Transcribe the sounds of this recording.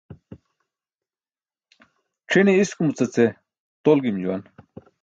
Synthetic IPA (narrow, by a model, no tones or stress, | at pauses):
ʈ͡ʂʰiniiskumut͡sɐt͡se | t̪olɡimd͡ʑuwa̰n